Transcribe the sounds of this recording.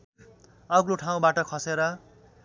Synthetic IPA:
ʌɡloʈʰaw̃baʈʌkʰʌseɾʌ

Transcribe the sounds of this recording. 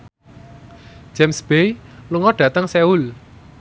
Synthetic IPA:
d͡ʒ̥ɛmsb̥ejluŋɔɖ̥ä̤t̪əŋseul

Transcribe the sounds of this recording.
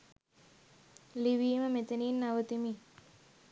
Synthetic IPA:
liʋiːməmet̪əniːnːaʋət̪imi

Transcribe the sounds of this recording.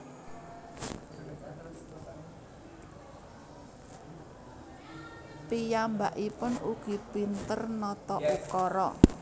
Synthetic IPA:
pijambaʔipʊnuɡ̥i̤pint̪ərnɔt̪ɔʔukɔɾɔ̰

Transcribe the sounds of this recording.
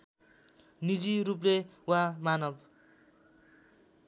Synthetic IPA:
nid͡ziɾup̬lewãmanʌb

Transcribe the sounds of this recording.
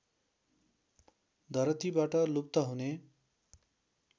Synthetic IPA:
d̪ʱʌɾʌt̪ibaʈʌlup̚t̪ʌɦune

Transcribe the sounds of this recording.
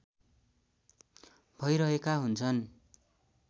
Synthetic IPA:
bʱʌjɾʌɦekaɦunt͡sʰʌn

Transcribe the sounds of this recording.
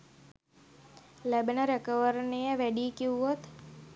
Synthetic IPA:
læbənəɾekəʋəɾnejəʋæɖiːkiuot̪

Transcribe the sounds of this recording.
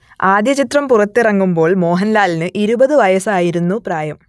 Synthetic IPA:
aːd̪jɐt͡ɕit̪rɐmpurɐt̪ːirɐŋːumbo̞ːɭmo̞ːɦɐnlaːlinɨʔiɾubɐðɨʋɐjɐsaːjiɾunːupraːjɐm

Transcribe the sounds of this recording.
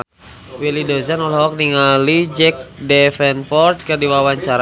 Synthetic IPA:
wilidozanɔlɦɔk̚niŋalid͡ʒɛk̚dɛfɛnpɔrt̪̚kərdiwawaɲt͡ʃaɾa

